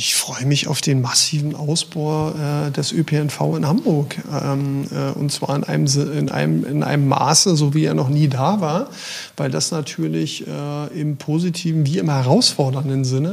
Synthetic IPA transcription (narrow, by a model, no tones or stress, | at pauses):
ʔɪçfʁ̥ɔʏəmɪça̰ʊfd̥eːnmasiːvn̩ʔaʊsb̥aʊʔɛːdɛsʔøpʰeɛnfaʊɪnhambʊɐkɛmɛːʔʊ̰ntt͡sv̥a̰ːɐɪnʔa̰ɪnəmɪnʔa̰ɪnɪ̰nʔa̰ɪnəmːa̰ːsəzoːviːɛːɐnɔχniːdaːvaːɐ | v̥aɪldasnatʰyːɐlɪçʔɛːɪmpʰoːzitʰiːvn̩viːɪmhɛʁ̞aʊsfɔɐdɐndənzɪnə